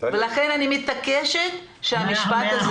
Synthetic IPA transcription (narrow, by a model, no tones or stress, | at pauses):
velaχenanimit̪ːakeʃet̪ʃeamiʃpat̪az